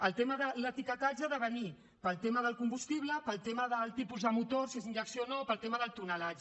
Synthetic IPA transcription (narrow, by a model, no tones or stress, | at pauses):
əlˠt̪eməðələt̪ikət̪aʒəðəβəni | pəlˠt̪eməðəlˠkumbust̪iβ̞ləpəlˠt̪eməðəlˠt̪ipuzðəmut̪oɾsiezind͡ʒəksionopəlˠt̪eməðəlˠt̪unəlad͡ʒ